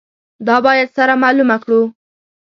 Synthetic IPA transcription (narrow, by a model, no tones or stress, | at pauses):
d̪ɑbɑjad̪saɾamɑlumakɽu